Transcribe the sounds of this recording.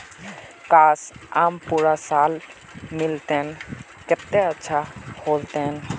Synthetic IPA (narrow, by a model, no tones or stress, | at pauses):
kaːsaːmpuɾasaːl | mɪlt̪en | kɪt̪ːeətːʃʰahoːlt̪en